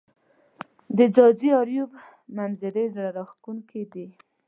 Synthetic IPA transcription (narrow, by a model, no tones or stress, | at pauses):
d̪əd͡zɑd͡ʒiɑɾjub | manzɪlezɽaɾɑxkuŋkid̪i